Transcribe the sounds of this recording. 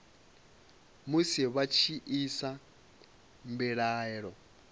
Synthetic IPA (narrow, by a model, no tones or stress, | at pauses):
musiβat͡ʃʰiʔisa | mbiɺaːɛɺɔ